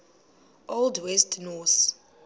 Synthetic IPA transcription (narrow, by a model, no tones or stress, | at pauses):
ʔoldwɛstnɔθ